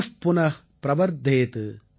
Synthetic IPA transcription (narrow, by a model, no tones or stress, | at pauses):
spʊnɐh | pɾɐʋɐɾd̪ʱeːt̪ɨ